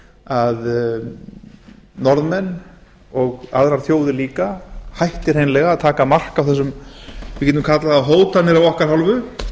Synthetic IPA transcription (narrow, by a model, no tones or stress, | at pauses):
að | nɔɾðmɛnː | ɔɣaðɾaɾ̥θjoːwðɪliːkahajht̪ɪɾ̥hejnlɛɣaaðt̪ʰaːkamar̥kawθɛs̬ːʏmvɪcɛːt̪ʏmkʰat̪laɣaɦoːwt̪anɪɾawɔhkaɾ̥hawlvʏ